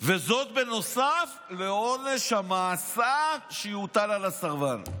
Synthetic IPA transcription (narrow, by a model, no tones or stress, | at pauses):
ve̞zo̞t̪̚be̞no̞saf | leo̞ne̞ʃhamaːsaʃejut̪alalasaʁvan